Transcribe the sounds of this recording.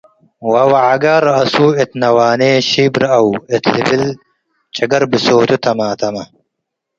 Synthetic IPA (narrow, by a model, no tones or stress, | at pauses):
wɐwɐʕaɡaɾɐsuːet̪nɐwaːneːɕiːbɾɐwet̪ʰlibil | t͡ɕɐɡɐɾbisoːt̪ut̪ʰɐmaːt̪ɐmɐ